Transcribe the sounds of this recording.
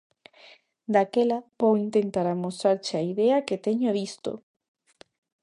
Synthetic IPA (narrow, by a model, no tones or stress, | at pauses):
d̪akelabowint̪ent̪aɾamost̪ɾaɾt͡ʃaiðeaket̪eɲoβist̪o̰